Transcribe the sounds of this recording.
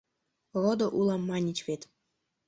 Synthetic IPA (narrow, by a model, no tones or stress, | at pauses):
rod̪ŏʔulˠɑmːɑnʲit͡ɕvʲet̪